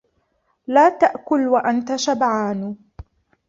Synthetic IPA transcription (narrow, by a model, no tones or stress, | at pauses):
laːt̪aʔkʊlwaʔant̪aʃabʕaːn